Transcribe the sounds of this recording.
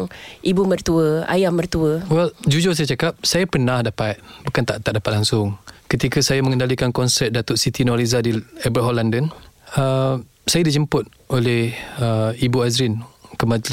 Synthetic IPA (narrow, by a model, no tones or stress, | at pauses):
ŋʔibumərt̪uəa̰jamːərt̪uəwɛld͡ʒud͡ʒʊs̬ajat͡ʃakap̚sajapərnahdapat̪̚bukant̪aʔt̪aʔdapat̪̚laŋsʊŋkət̪ikəsajamə̃ŋəndalikankɔnsɛt̪̚dat̪ʊʔsit̪inɔɾizadiɛbəɦolandənə | sajadid͡ʒəmpʊt̪̚ | ʔolɛhəibuazɾɪnkəmãd͡ʒlɪ